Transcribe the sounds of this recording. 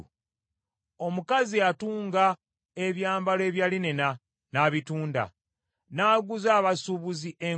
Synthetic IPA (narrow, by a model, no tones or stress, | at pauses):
o̞mukaziatuːŋɡa | e̞βjaːmbale̞ːβjaːlinena | naːβituːnda̰ | naːɡuzaːβasuβuziʔe̞